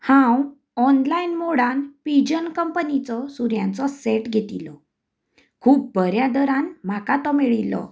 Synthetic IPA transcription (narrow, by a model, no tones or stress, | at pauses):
hãw | ɔnlainmoɽanpid͡ʑənkəmpənit͡sɔsuɾjãnt͡sɔsɛʈɡʱet̪ilɔ | kʰuːp̚bʱəɾjad̪əɾãnm̤akat̪ɔmiɭilɔ̰